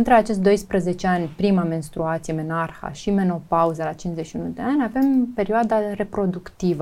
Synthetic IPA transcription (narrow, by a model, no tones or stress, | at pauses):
ɨnt̪ɾeat͡ʃe̞ʃt̪d̪o̞jspɾəze̞t͡ʃeanʲpɾimame̞nst̪ɾuat̪sijeme̞narxa̰ʃime̞no̞pauzəlat͡ʃinʃzeʃiunud̪e̞anʲave̞mpe̞ɾioad̪are̞pɾo̞d̪ukt̪ivə